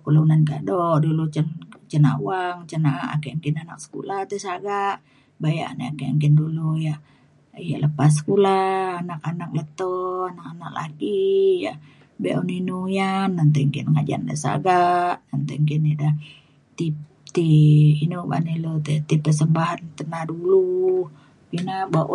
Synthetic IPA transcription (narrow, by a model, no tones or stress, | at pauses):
kulunankaʔdɔdulut͡ʃənt͡ʃəna̰uaŋt͡ʃənaa̰keəŋkinanak̚sə̥kṵlat̪ɛsaɡaʔ | baja̰nea̰keəŋkinduluja | ijaləpas̬kulaːnakanak̚lət̪ɔanakana̰kla̰ɡija | bḛʔuninujanːant̪̬eŋkinŋad͡ʒa̰ndə̰sa̰ɡaʔnant̪ɛŋkinida | t̪i | t̪iinuba̰nilot̪ɛt̪ipːəs̬əmbaɦant̪ənahdulu | ɡinabaʔ